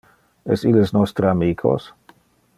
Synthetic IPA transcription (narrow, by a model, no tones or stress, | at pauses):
ɛsilesnɔst̪ɾəamiːkʰo̰s